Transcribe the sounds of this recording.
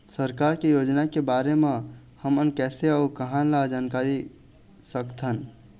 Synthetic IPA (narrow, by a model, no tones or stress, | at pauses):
səɾkaːɾkejoːd͡ʒnakebaːɾemã | həmənkɛːseakəɦãnlad͡ʒaːnkaːɾi | səkt̪ɦən